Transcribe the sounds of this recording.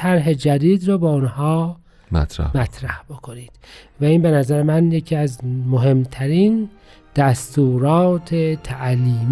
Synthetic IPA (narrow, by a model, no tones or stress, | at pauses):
æɾɦe̞d͡ʒæd̪iːd̪ɾoːbɛunhɒː | mæ̰t̪ɾ̰mæt̪ʰɾæ̰hb̥o̞kʰo̞niːd̪̥væiːnbenæzæɾemænje̞cʰiːæzmoɦe̞mt̪ʰæɾiːn | d̪̥æst̪uːɾɒːt̪ʰet̪ʰæʔliːm